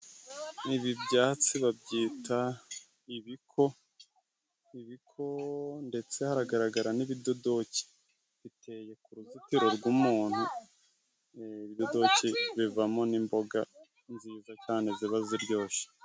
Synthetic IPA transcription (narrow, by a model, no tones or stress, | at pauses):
niβibɟaːt͡siβabɟiːta | iβikʰo̞ | iβikʰo̞nde̞t͡se̞haɾaɡaɾaɡaɾaniβido̞do̞ci̥ | βite̞je̞kuɾuzutiɾo̞ɾɡwumuːn̥hu | iβido̞do̞ciβivamo̞nimbo̞ɡa | nziːzat͡ʃaːneziβaziɾɟo̞ːʃe̥